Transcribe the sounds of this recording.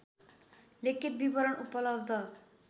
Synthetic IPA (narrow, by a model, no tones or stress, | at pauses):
lekʰit̪̚bibʌɾʌɳupʌlʌbd̪ʱʌ